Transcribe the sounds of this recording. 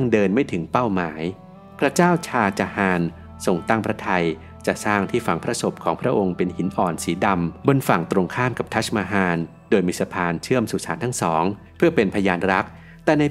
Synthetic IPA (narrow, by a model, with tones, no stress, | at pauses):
ŋdɤː˧nmaː˥˩jt̪ʰɯ˩˦ŋpa˥˩wmaː˩˦j | pʰɾa˦˥t͡ɕaː˥˩wt͡ɕʰaː˧t͡ɕa˨˧˩haː˧n | so˧ŋt̪a˥˩ŋpʰɾa˦˥t̪ʰa˧j | t͡ɕa˨˩saː˥˩ŋt̪ʰiː˥˩fa˩˦ŋpʰɾa˦˥so˨˩p̚kʰɔː˩˦ŋpʰɾa˦˥ʔo˧ŋpe˧nhi˩˦nʔɔː˨˩nsiː˩˦da˧mbo˧nfa˨˩ŋt̪ɾo˧ŋkʰaː˥˩mka˨˩p̚t̪ʰa˦˥t͡ɕ̚maː˧ɦaː˧n | doː˧jmiː˧sa˧pʰaː˧nt͡ɕʰɯ˥˩əmsuː˨˩saː˩˦nt̪ʰa˥˩ŋsɔː˩˦ŋ | pʰɯ˥˩əpe˧npʰa˧jaː˧nɾa˦˥k̚ | t̪ɛː˨˩na˧